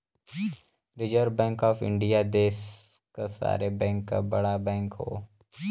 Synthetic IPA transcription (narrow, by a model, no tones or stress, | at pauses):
ɾɪd͡ʒəɾbɛ̃ːŋkɔːfɪ̰̃ɳɖijad̪eːs | kasa̰ːɾebɛ̃ːŋkːa̰bɐɽabɛ̃ːŋkɦo̰ː